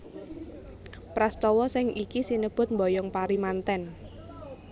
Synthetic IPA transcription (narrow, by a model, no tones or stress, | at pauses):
pɾast̪ɔwɔsɪŋikisinəb̥ʊ̤t̪̚mbɔjɔŋpaɾimant̪ɛn